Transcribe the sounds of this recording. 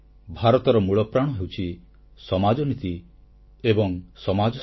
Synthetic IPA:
bʱaɾɔt̪ɔɾɔmuɭɔpɾaɽ̃ɔɦewt͡ʃʰi | sɔmad͡ʒɔnit̪i | ebɔŋsɔmad͡ʒɔ

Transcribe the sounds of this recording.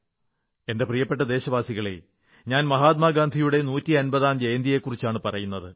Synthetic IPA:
e̞nde̞prijɐpːe̞ʈ̬ːɐd̪e̞ːɕɐʋaːsiɣɐɭḛ | ɲaːnmɐɦaːt̪̚maːɡaːnd̪ʱijuɽe̞nuːtːiɐnbɐðaːnd͡ʑejɐnd̪ije̞kːurit͡ɕːaːɳɨpɐrɐjunːɐðɨ

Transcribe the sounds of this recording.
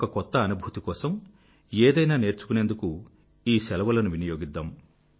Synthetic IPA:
kɐkɔt̪ːɐːnubʱuːt̪ikɔːsɐm | eːd̪ɐjnaːne̞ːɾt͡ʃu̥kune̞ːnd̪uku | iːsɛlɐʋɐlɐnuʋinɐjo̞ːɡid̪ːaːm

